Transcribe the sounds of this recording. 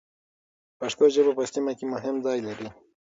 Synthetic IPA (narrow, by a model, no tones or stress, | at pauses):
paʃkoʒəbapəsimakemʊɦɪmzɑjlaɾi